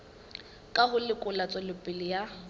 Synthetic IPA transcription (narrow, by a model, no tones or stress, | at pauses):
kʼahʊlɪkʼʊlat͡sʼɔlɪpʼɪlɪja